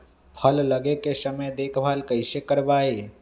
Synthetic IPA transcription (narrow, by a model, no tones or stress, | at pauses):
pʰəlləɡekesəməjd̪eːkʰbʱaːlkəɪsekəɾʋaːe